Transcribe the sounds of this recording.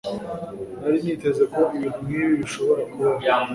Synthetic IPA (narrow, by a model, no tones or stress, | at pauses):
aɾimiːte̞zeko̞ʔiβin̥umniβiβiʃo̞βo̞ɾakuβa